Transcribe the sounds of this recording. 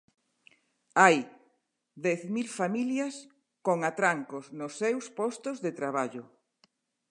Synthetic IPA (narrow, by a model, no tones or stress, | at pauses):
aj | ðɛθmilfamiljɐs | koŋat̪ɾaŋkosnosːewspɔst̪ozðet̪ɾaβ̞aʎʊ